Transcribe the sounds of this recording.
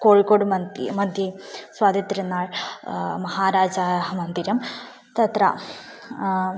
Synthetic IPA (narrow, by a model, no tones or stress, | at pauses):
koːɻikːoːɽɨmɐmɐnd̪jiswaːd̪ʱjɐt̪ːiɾunːaːɭmɐɦaːɾaːd͡ʑaːɦɐmɐnd̪iɾɐm | t̪ɐt̪ɾɐ̰